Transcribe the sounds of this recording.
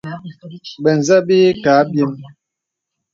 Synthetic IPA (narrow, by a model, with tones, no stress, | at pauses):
bɛ˨n˨za˦be˦kaː˨˦bje˦m